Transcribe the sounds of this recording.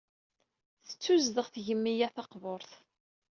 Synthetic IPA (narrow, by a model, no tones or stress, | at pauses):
θə̥t͡sːuzðəʁθʝəmːijæθɑqvoɾˤθ